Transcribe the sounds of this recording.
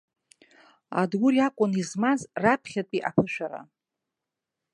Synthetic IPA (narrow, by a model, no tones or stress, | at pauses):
a̰dɡʊɾiakʷʼʊnizmazrapʰχʲatʼiʔapʰɨʃʷᶣaɾa̰